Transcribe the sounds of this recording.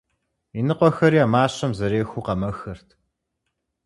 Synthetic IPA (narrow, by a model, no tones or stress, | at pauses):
inɨqʷɔxɐɾiamaːɕɐmzɐɾeːxʷuqɐmɐxɐrtʰ